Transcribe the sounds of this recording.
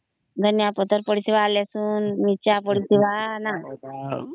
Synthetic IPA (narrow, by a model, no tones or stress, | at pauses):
d̪ʱənjapɔt̪əɾpəɽisiʋaːljasuːnmit͡ɕapəɽit̪iʋana